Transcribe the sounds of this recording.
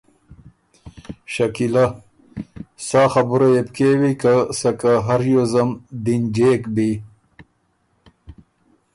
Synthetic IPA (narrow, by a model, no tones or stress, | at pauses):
ɕakila | saːxɐbuɾajepkewikasakaɦaɾjozɐmd̪ind͡ʒekbi